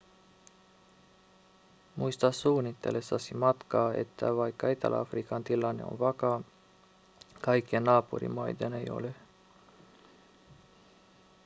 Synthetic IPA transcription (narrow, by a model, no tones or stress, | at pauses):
mʔujst̪asuːnit̪ːḛlesasimat̪kaḛt̪ːa̰vajkajt̪a̰lʔfɾikant̪ilːaneo̰nvaka | kajkenaːpṵɾḭmajd̪enejo̰le